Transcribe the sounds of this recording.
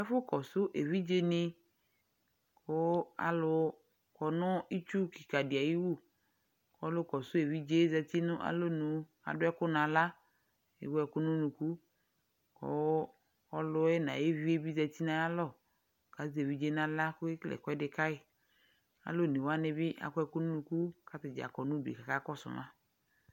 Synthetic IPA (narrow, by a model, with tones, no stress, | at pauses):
ɛ˦fʊ˦kɔ˨sʊ˦ʔe˨vi˦d͡ʒe˦nɪ̃˦ | kʰʊ˦a̰˨lʊ˦ | kɔ˨nʊ̃˦i˦t͡ʃu˦ki̥˨ka˨dɪ˨a˨ji˦wu˦˨ | kʊ˦ɔ˦lʊ˦kɔ˨sʊ˦e˨vi˦d͡ʒe˦zɛ˨ti˦nʊ̃˦ʔa̰˨lo˦nũ˨˦ | a̰˨dʊ˦ɛ˦kʊ˦nã˨la˦ | ḛ˨wu˦ɛ˨kʊ˦nʊ̃˦nũ˨ku˦ | kɔ̰˨˦ | ɔ˦lʊ˦ɛ˦na̰˨je˦vi˦e˦bi˦za˨ti˦nã˨˦a˦lɔ˦˨ | ka˨˦ze˨vi˦d͡ʒe˦nã˨la˦kʊ˦klɛ̰˨kɔ˦ɛ˦dɪ˨ka˦ɪ˦ | a̰˨lo˦˨ni˨wa˦nɪ˦bɪ˦ʔa̰˨kɛ˦kʊ˦nʊ̃˦nu˨ku˦ka˦tɪ˨d͡ʒa̰˨kɔ˨nʊ̃˦dḛ˨ka˨ka˦kɔ˦sʊ̰˨mã˦